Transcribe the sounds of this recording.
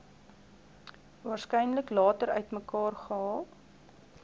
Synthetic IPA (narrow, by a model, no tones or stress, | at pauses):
vɑːrskɛjnləklɑːtəɾœ̰ɥtməkɑːrχəɑː